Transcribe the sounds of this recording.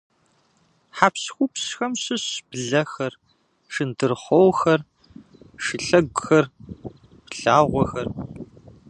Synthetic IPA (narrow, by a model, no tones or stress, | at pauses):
ħapsxʷʊpsxɐmɕɨɕb̥ɮɐxɐr | ʂɨndɨrχʷɔwxɐr | ʂɨɬɐɡʷxɐr | pɬaːʁʷɔxɐr